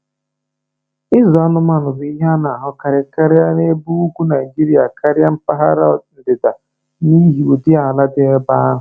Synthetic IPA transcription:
ɪ˦zɔ˨a˦nʊ˦ma˨nʊ˨bɪ˨˦i˦ɦa˦na˨ɦʊ˨ka˨ɾɪ˨ka˦ɾɪ˦a˦ne˦bu˦u˦kʷu˦na˨i˨d͡ʒi˦ɾi˦a˨ka˦ɾɪ˦a˦m̩˦pa˦ɦa̰˦ɾa˦˨n̩˨dɪ˨da˨ | ni˦ɦi˨u˨dɪ˦a˨la˦dɪ˦e˦ba˦ɦʊ˨

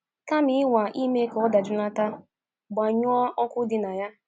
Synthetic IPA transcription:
ka˦mɪ˦wa˨ʔi˦me˦kɔ˦da˨d͡ʒʊ˦la˦ta˦ | ɡ͡ba˨ɲʊ˦ɔ˦ɔ˦kʷʊ˦dɪ˦na˨ja˦

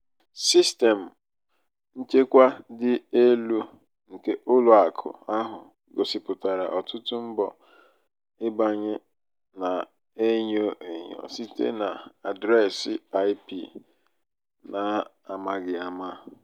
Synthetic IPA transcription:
si˦ste˨m̩˨ | n̩˦t͡ʃe˦kʷa˦dɪ˦e˦lu˦ | ŋ̩˨ke˦ʔʊ˦lʊ˨a˨kʰʊ̰˨a˦ɦʊ˨ | ɡo˨sɪ˨pʊ˨ta˨ɾa˨ʔɔ˨tʊ˦tʊ˦m̩˦bɔ˨ | ɪ˦ba˨ɲɪ˦ | na˨ | e˦ɲo˦ʔe˨ɲo̰˨si˦tḛ˦na˨a˨dɾa˦˨sɪ˦a˦ɪ˦pi˦ | na˨ | a˨ma˨ɡɪ˨a˨ma˦

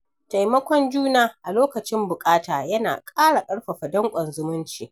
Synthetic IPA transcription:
ta˨jmɐ˦kʷɔ˦nd͡ʒuː˦naː˦˨ʔa˨loː˦kɐ˨t͡ʃɪ˦mbʊ˨kʼaː˦taː˨jɐ˦na̰ː˨kʼaː˦ɽa˨kʼɐ˦ɽɸɐ˨ɸɐ˨dɐ˦ŋkʷʼɐ˨nzʊ˦mʊ˦nt͡ʃiː˨

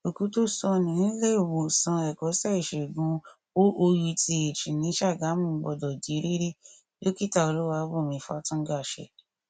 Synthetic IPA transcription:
o˨ku˨˦to˦sɔ˧nĩ˨n̩˦le˦o˦˨wõ˨sã˧ɛ˨kɔ˨˦sɛ˦˨i˨ʃe˨ɡũ˧ | o˦ʔo˧ju˧ti˧e˨t͡ʃĩ˨nĩ˨˦ʃa˦˨ɡa˨˦mũ˦˨˦ɡ͡bɔ˧˨dɔ˨d͡ʒi˨˦ɾi˦ɾe˦ | jo˦ki˦ta˧o˧lu˦wa˧˦bo˦˨mĩ˧˨fa̰˦tũ˦ɡa˦˨ʃɛ̰˧˨

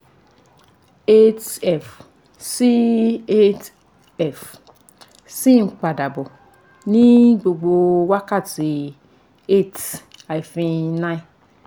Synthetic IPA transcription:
e˦tɛ˦˨f | si˦e˦t | ɛ˨f | si˦ŋ͡m̩˨k͡pa˨da˨bʊ˨ | ni˦ɡ͡bo˨ɡ͡bo˨wa˦ka˦˨ti˨ | e˦˨t | a˨i˨fĩ˦na˦i˦

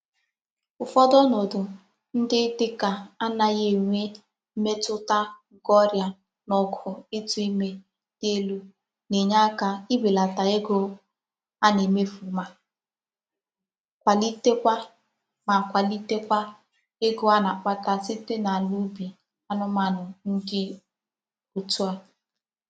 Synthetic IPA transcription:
ʊ˨fɔ˦dɔ˦nɔ˨dʊ˨ | n̩˦dɪ˦tɪ˦ka˨a˦na˨je˦˨ŋʷe˦ | me˦tʊ˦ta˦ | ɡɔ˦ɾja˨ | nɔ˨kʰʊ˨e˦tu˦i˦me˦ | d̥e˦lu˦ | ne˨ɲa˦ka˨i˦be˨la˨ta˨e˦ɡʊ˦ | a˦ne˨me˦fu˨ma˨ | kʷa˨li˦te˦kʷa˦ | ma˨kʷa˨li˦te˦kʷa˦ | e˦ɡʊ˦a˦na˨k͡pa˦ta˨sɪ˦te˦na˨lu˦bi˨ | a˦nʊ˦ma˨nʊ˨ŋ̩˦ɡɪ˦ | u˨tʊ˦a˨

